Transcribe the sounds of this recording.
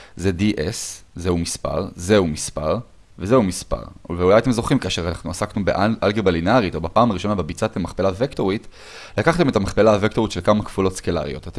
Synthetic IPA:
zediʔeszeumispa̰ʁzeumispa̰ʁ | vezeumispa̰ʁveulajat̪̬e̞mzo̞χimkaːʃeʁanaχnuasaknubeʔaʔalɡebalinaʁit̪o̞bapaːmaʁiʃo̞nabebit͡sat̪emaχpelavekto̞ʁit | lakaχt̪e̞me̞t̪amaχpelavekto̞ʁit̪ʃelkamakfulo̞tskela̰ʁḭjo̞̰tat̪e

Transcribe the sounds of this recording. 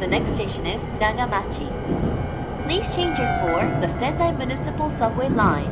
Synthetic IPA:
ðənɛksteɪʃə̃nɪz̥daɡəmat͡ʃi | pʰl̥iz̥t͡ʃʰẽɪ̃nd͡ʒɪ̃ŋfə˞ðəfɛ̃daɪmjɨnɪsəpəlˠsʌvwelãɪ̃n

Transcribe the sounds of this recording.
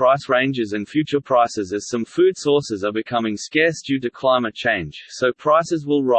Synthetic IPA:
ɹ̥aɪsɹẽɪ̃nd͡ʒɪzɨ̃nfjʉˑt͡ʃəpʰɹ̥aɪsɪzɨz̥sʌ̃ɱfʉːd̥sɔˑsɪzəbɨkʰʌmɪ̃ŋskɛɹsd̥ʉːɾɨkʰl̥aɪmət̚t͡ʃʰẽɪ̃n̥ʒ̥soʊpʰɹ̥aɪsɪzwɪlˠɹa

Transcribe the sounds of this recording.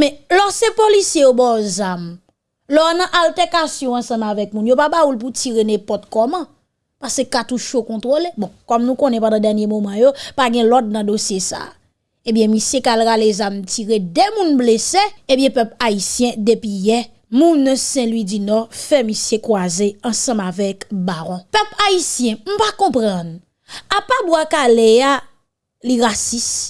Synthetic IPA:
mɛ̃lɔsepolisjejobɔzam | lɔnɐ̃ʔaltɛkasjɔ̃ɐ̃sɐ̃mavɛk̚mũnjopabaulp̬ut͡siʁenɛ̃pɔt̪̚kɔmɐ̃ | pasekat̪uʃokɔ̃t̪ʁolebɔ̃kɔmnũkõnɛpãdãdɛʁnjemomãjopaɡɛ̃lɔt̪̚nɐ̃dosjesa̰ː | ẽbjɛ̃misjekalɣalezamt͡siʁedemũnbleseebjɛ̃pœpaisjɛ̃depijɛ | mũnsɛ̃lɥid͡zinɔfɛmisjekwazeɑ̃sɐ̃mavɛkbaʁɔ̃pœpaisjɛ̃m̩pakɔ̃pʁʌ̃n | apabwakalea | liʁasis

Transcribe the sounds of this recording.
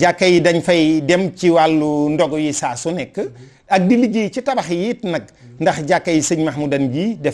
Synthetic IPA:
ɟakːɐjidɐɲfɐjdɛmciwalːundɔɡɔjisaːsunɛkːə | ɐk̚dilːiɟijt͡ʃitɐbɐxjiːtnɐk̚ | ndɐxɟakːɐjisəɲmɐxmudɐnd͡ʒiːdɛ

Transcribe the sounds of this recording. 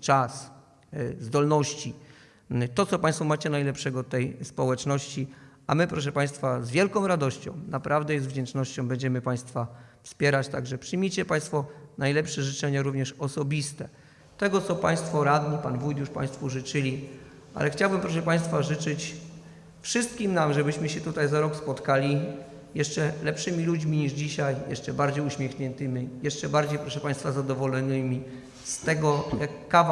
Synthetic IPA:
t͡ʂas | zd̪ɔlnɔɕt͡ɕi | t̪ɔt̪sɔpaɲj̃st̪fɔmat͡ɕɛnajlɛpʂɛɡɔt̪ːɛjspɔwɛt͡ʂnɔɕt͡ɕiamɘpɾɔʂ̬ɛpaj̃st̪fazvʲjɛlkɔ̃w̃ɾad̪ɔɕt͡ɕɔ̰̃w̃napɾʔavd̪ɛjɛst̪vd͡ʑɛnt͡ʂnɔɕt͡ɕɔ̃w̃bɛɲd͡ʑɛmɘpaj̃st̪fafspʲjɛɾat͡ɕt̪aɡʐɛpʂɨjmʲit͡ɕɛpaj̃st̪fɔnajlɛpʂɛʐɘt͡ʂɛɲaɾuvɲɛʂɔsɔbʲist̪ɛ | t̪ɛɡɔt̪sɔpa̰j̃st̪fɔɾad̪ɲipanvujd̪juʂpã̰j̃st̪fuʐɘt͡ʂɘlʲi | ʔa̰lɛxt͡ɕawbɘmpɾɔʂ̬ɛpaj̃st̪faʐɘt͡ʂɘt͡ɕ | fʂɨst̪̚kʲimnamʐɛbɘɕmɘɕɛt̪ut̪ajzaɾɔkspɔt̪kalʲi | jɛʂt͡ʂɛlɛpʂɘmʲilud͡ʑmʲiɲiʐd͡ʑiɕajjɛ̰ʂt͡ʂɛbaɾd͡ʑejuɕmʲɛxɲɛnt̪ɘmʲijɛʂt͡ʂɛbaɾd͡ʑejpɾɔʂɛpaj̃st̪fazad̪ɔvɔlɛnɘmʲi | st̪ɛɡɔjakːav

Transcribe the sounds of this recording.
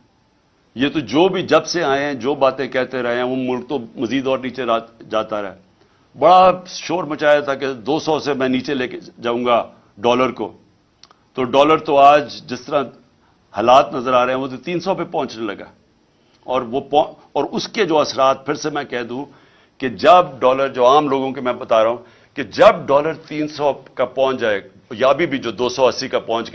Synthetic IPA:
jet̪od͡ʒoːbʱid͡ʒɐbseaːẽɦɛ̃d͡ʒoːbaːt̪ẽkɛɦt̪eɾɐɦẽɦɛ̃ʋoːmʊlk̚t̪omɐziːd̪ɔːɾniːt͡ʃead͡ʒaːt̪aɾɛɦɛː | bɐɽaʃoːɾmət͡ʃaːjat̪ʰaked̪oːsɔːsemɛ̃niːt͡ʃeleːked͡ʒaːũːɡa | ɖɔːləɾko̰ː | t̪oːɖɔːləɾt̪oaːd͡ʒd͡ʒɪst̪əɾã | haːlaːt̪nɐzəɾaːɾeɛ̃ʋoːt̪ot̪iːnsɔpepɔ̃ːɲt͡ʃnelɐɡa̰ː | ɔːɾʋopɔ̃ | ɔːɾʊsked͡ʒoːɐsɾaːt̪̚pʰɪɾsemɛ̃ːkɛɦd̪ũː | ked͡ʒɐbɖɔːləɾd͡ʒoːaːmloːɡõk̬emɛ̃ːbɐt̪aːɾaɦũː | ked͡ʒɐb̚ɖɔːləɾt̪iːnsɔkapɔ̃ːt͡ʃd͡ʒaːe | jabʱibʱid͡ʒoːd̪oːsɔɐsːikapɔ̃ːt͡ʃɡ

